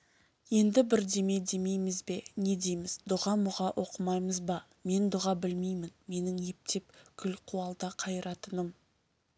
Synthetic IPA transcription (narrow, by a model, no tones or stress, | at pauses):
je̞nd̪ɪbɪɾd̪e̞me̞d̪e̞me̞jmɪzbe̞ne̞d̪e̞jmɪzd̪ʊʁɑmʊʁɑʔo̞qəmɑjməzbɑ | me̞nd̪ʊʁɑbɪlmejmɪnme̞nɪŋe̞p̚t̪e̞pkʲʰʏlqʰuɑlˠd̪ɑqʰɑjɾɑt̪ənəm